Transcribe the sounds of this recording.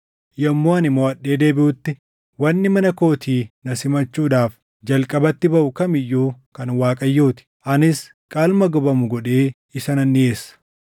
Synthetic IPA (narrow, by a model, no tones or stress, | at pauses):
jɐmːoːɐnɪmːoːɐɗːe̞ːd̪e̞ːbɪʔʊt̪ːɪ | wɐnːɪmɐnɐko̞ːt̪iːnɐsɪmɐt͡ʃːuːᶑ̪aːf | d͡ʒɐlkʼɐbɐt̪ːɪbɐʔʊkɐmɪjːuːkɐnwaːkʼɐjːoːt̪ɪ̥ʔɐnɪs | kʼaːlmɐɡɔbɐmʊɡɔᶑe̞ː | ɪsɐnɐnːɪe̞ːsːɐ̥